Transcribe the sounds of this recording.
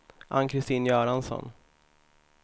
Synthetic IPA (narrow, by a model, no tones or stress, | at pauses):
ʔa̰nkʰɾɪst̪iːnjœːɾansɔ̰n